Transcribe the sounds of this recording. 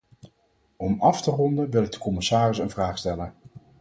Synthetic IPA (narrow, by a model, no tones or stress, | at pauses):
ɔmɑftərɔndənʋɪlɪɡ̚dəkɔmɪsaːrɪsənvraːχstɛlən